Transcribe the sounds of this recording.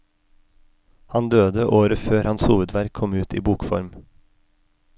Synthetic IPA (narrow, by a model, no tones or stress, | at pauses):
hɑnd̪øːd̪əʔoːɾəføːɾhɑnshuːʋəd̪ʋæɾkʰɔmʉːt̪ḭːbuːkfɔ̰ɾm